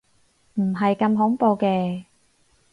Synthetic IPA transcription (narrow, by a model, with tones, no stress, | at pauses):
m̩˨˩ɦɐ˨jkɐ˧mɦʊ˨˥ŋpo˧wkɛː˧